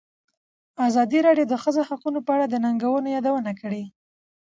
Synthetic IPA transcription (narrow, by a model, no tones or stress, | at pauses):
azɑd̪iɾɑɖjowd̪əxəzohaqunopəaɽad̪ənaŋɡawənojɑd̪awənakəɽe